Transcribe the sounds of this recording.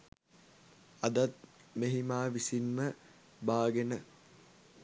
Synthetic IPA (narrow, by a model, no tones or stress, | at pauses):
ad̪at̪̚ | meɦimaːʋisinmə | baːɡenə